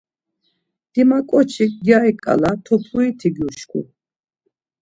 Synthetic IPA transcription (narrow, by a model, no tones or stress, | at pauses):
d̪̥imakʼɔt͡ʃʰiɡjaikʼa̰lat̪ʰɔpʰluit̪ʰiɡjuʃkʰṵ